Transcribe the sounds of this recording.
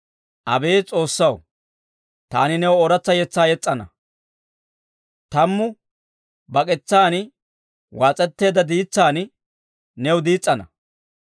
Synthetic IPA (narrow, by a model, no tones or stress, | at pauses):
ʔɐbeːt͡sʼo̞ːsːɐw | t̪aːnɪnɛwʊɔɾɐt͡sːɐjɛt͡sːaːjɛt͡sʼːɐnɐ | t̪ɐmːʊ | bɐkʼɛt͡sːaːn | waːt͡sʼːɛt̪ːe̞ːd̪ɐd̪iːt͡sːaːn | nɛwʊd̪iːt͡sʼːɐnɐ